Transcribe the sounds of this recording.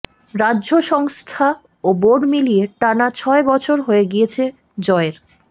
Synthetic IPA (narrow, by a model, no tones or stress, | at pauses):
ɾadːʑoʃɔŋst̪ʰa | oboɖmilieʈanat͡ɕʰɔebɔt͡ɕʰoɾɦoeɡijet͡ɕʰe | d͡ʑɔeɾ